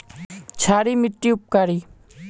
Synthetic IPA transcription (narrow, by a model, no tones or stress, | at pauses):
t͡ʃʰaːɾiːmɪʈːiʊp̚kaːɾiː